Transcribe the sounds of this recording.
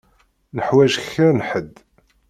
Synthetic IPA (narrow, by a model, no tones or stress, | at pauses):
nəħwæʒxəɾnħəd̪